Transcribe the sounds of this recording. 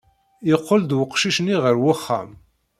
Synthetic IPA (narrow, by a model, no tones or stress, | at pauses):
ɪqːəld̪wəqʃiʃniʁəɾwaχːa̰m